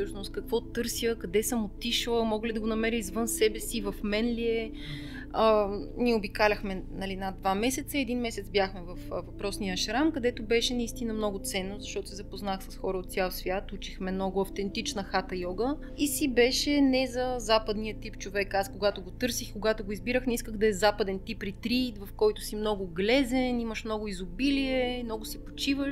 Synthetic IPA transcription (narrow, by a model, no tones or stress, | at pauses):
ɤʃnʊst̪̚kɐkvɔt̪ɤɾsiəkɐd̪ɛsəmot̪ːiʃlˠəmɔɡəlid̪ɐɡonɐmɛɾʲəizvɤnsɛbɛsivɐfmɛnliɛ | ənʲiɛobikalʲɐxmɛnɐlinad̪vamɛsɛt̪səɛd̪inmɛsɛt̪sbjaxmɛvɐfvɐpɾɔsnijəʃɾamkɐd̪ɛt̪obɛʃɛnɐist̪inəmnɔɡʊt̪sɛnːozɐʃt̪ɔt̪ʊsɛzɐpoznaxsɐsxɔɾəot̪sʲjalˠsvʲjat̪ut͡ʃixmɛmnɔɡʊɐft̪ɛnt̪it͡ʃnəxat̪ɐjɔɡə | isibɛʃɛnɛzɐzapəd̪nijət̪ipt͡ʃovɛkaskoɡat̪oɡot̪ɤɾsixkoɡat̪oɡoizbiɾəxnɛiskəɣd̪ɐɛzapɐd̪ɛnt̪ipːɾit̪ɾit̪vɐfkɔjt̪ʊsimnɔɡʊɡlɛzɛnimɐʃmnɔɡʊizʊbiliɛmnɔɡʊsɛpo̥t͡ʃivəʃ